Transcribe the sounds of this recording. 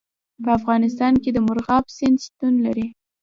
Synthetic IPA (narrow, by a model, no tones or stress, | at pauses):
pəafɣɑnɪst̪ɑnked̪əmʊɾɣɑbsɪnd̪st̪unlaɾi